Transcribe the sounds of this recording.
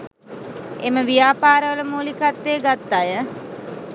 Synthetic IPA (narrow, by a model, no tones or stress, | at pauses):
eməʋijaːpaːɾəʋələmuːlikat̪ːeːɡat̪ːajə